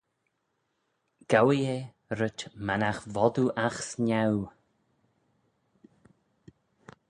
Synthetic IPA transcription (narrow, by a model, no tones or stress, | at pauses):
ɡ̥awie | ɾətmanaxvɔd̪uʔaxsnaw